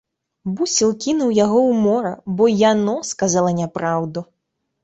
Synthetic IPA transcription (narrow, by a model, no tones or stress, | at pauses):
busʲilˠkʲinuwjaɣɔwmɔɾɐbɔjanɔskazalˠɐnʲapɾawd̪u